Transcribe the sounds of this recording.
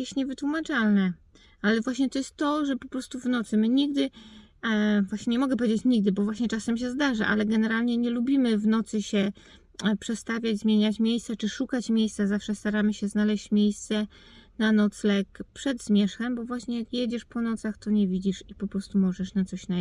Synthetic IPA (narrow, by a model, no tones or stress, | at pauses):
jɛɕt̪ɲɛvɘt̪wumat͡ʂalnɛ | alɛvwaɕɲɛt̪ɔjɛst̪ːɔʐɛpɔpɾɔst̪uvnɔt̪sɘmɘɲiɡ̚d̪ɘ | vwaɕɲɛɲɛmɔɡɛp̬ɔvʲed͡ʑet͡ɕɲiɡ̚d̪ɘbɔvwaɕɲɛt͡ʂasɛmɕ̬ɛzd̪aʐaʔa̰lɛɡɛnɛɾalɲɛɲɛlubʲimɘvnɔt̪sɘɕɛ | pʂɛst̪avʲjad͡ʑʲzmʲjeɲat͡ɕmʲjejst̪sɛt͡ʂɘʂukat͡ɕmʲjejst̪sazafʂɛst̪aɾamɘɕɛznalɛɕt͡ɕmʲjejst̪sɛ | nanɔt̪slɛkpʂɛd̪zmʲjɛʂxɛmbɔvwaɕɲɛjakjɛd͡ʑɛʂpɔnɔt̪saxt̪ɔɲɛvʲid͡ʑiʂipɔpɾɔst̪umɔʐɛʂnat̪sɔɕna